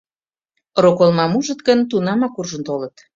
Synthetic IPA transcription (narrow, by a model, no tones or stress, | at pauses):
ɾokolmɑmuʒət̪ɡənt̪unɑmɑkurʒə̆nt̪olət̪